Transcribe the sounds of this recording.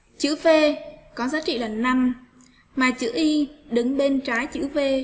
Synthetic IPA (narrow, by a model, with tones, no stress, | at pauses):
t͡ɕɨ̰˧˥ve˧kɔ˨˦zaː˨˦t͡ɕḭ˧˨laː˨˩na˧m | maː˨˩t͡ɕɨ̰˧˥ʔi˧ɗɨ˨˦ŋɓe˧nt͡ɕaː˨˦jt͡ɕɨ̰˧˥ve˧